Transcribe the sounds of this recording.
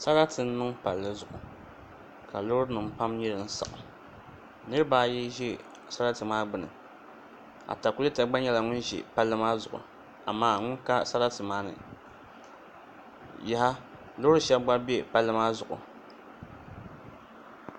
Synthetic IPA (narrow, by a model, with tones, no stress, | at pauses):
sa˦ɾa˦tɨ˨n̩˦nɨ˦ŋpa˨lːɨ˦zʊ˨ʔʊ˨ | ka˨lo˦ɾɨ˦nɨ˨m˨pa˦mɲɛ˦ɾɨ˨n̩˦sa̰˨ʔʊ˨ | nɨ˦ɾɨ˦baː˦ji˦ʒi˦˨ | sa˦ɾa˦tɨ˨maː˦ɡ͡bɨ˦nɨ̰˨ | a̰˨ta˨ku˦li˦ta˨ɡ͡ba˦ɲɛ˦la˨ŋʊ˦nʒḭ˨pa˦lːɨ˦maː˦zʊ˨ʔʊ̰˨ | a̰˨maː˦˨ŋʊ˦nka˦sa˦ɾa˦tɨ˨maː˦nɨ̰˨ | jɛ˦ha˦ | lo˦hɾɨ˦ʃɛ˦bba˦bi˦e˦˨pa˦lːɨ˦maː˦zʊ˨ʔʊ̰˨